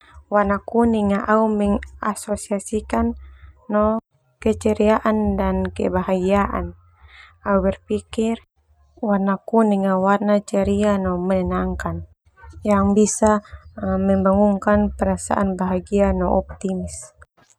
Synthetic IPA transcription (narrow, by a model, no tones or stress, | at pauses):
wanakuniŋaʔaumɛŋasɔsiasikanːɔ | kɛt͡ʃɛɾiaʔandankɛ̰baɦaɡiaʔa̰n | aubɛrpikir | warnakuniŋawarnat͡ʃaɾianɔmɛnɛnaŋkan | jaŋbisamɛmbaŋuŋkanpɛɾasa̰ʔanbaɦaɡianɔʔɔp̚t̪imis